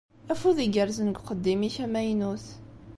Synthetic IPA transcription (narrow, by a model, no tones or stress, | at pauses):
æfuðiɡəɾzənəɡqəd̪ːimiçæmæjnuθ